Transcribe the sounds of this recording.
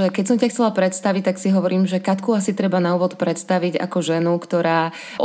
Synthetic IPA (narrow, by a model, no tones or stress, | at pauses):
ɛkɛc̚sɔmcaxt͡sɛlapɾɛt̪st̪aʋic̚t̪aksiɦɔʋɔɾiːmʒɛkat̪kuːasit̪ɾɛbanauːʋɔt̪pɾɛt̪st̪aʋiɟa̰kɔʒɛnukt̪ɔɾaː